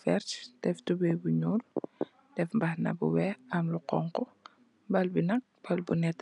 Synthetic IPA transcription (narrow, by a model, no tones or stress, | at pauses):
fɛrtd̥ɛftubɛjbuɲuːl | d̥ɛfmbɐhnɐ̰bṵwɛɐmluqɔŋkɔ | bɐlbinɐk̚b̥ɐlbunɛtː